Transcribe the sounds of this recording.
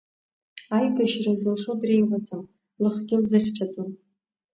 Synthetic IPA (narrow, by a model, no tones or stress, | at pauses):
ajbʰaʃrazɨlʂodrejʁʷat͡sʼam | lɨχɡʲɪlzɨχʲʈ͡ʂʰʼat͡sʼon